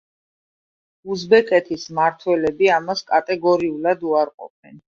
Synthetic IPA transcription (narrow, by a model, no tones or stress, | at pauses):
uzbɛkʼɛt̪ʰismaɾt̪ʰwɛlɛbiamaskʼat̪ʼɛɡɔɾiulad̪uaɾqʼɔ̰p̚ʰɛn